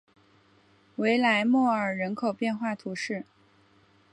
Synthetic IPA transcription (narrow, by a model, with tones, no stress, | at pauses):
we˧˥ɪla˧˥ɪmwɔ˥˩ə˞˨˩ɻə˧˥nkʰo˨˩ʊpjɛ˥˧nxwa˥˩t̪ʰu˧˥ʂɻ̩˥˩